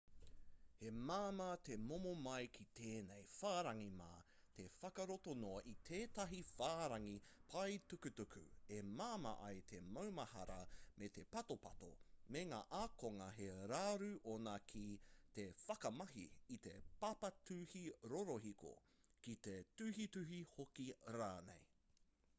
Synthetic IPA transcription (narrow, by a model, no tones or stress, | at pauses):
he̞maːmɐt̪emomomɐjkʰit̪ʰeːnejfaːɾɐŋima̰ː | t̪ʰe̞fɐkɐɾotonoɐʔit̪ʰeːt̪ɐɦifaːɾɐŋipʰɐjtukʉtukʰʉ̰emaːmɐ̰ʔɐjt̪ʰemɐwmɐhɐ̰ɾɐmet̪e̞pɐto̞pɐt̪o̰meŋaːʔakoŋɐɦeɾaːɾʉʔonɐkʰit̪e̞fɐkɐmɐɦiːt̪epɐpɐtʰʉhiɾoɾoɦiko̰ | kit̪etʉhitʉɦihokiɾaːnḛj